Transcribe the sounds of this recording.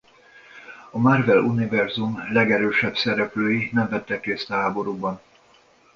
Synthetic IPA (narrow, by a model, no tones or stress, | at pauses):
ɒmarvɛlunivɛrzumlɛɡɛɾøːʃɛbsɛɾɛpløːjinɛɱvɛt̪ːɛkreːst̪ɒɦaːbo̞ɾubɒn